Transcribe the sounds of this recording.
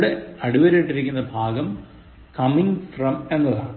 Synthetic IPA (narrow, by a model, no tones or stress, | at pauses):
ɽeɐɽuʋɐɾeːʈːiɾikʲːunːɐbʱaːɡɐm | kɐmiŋɡfrɐmenːɐða̰ːɳ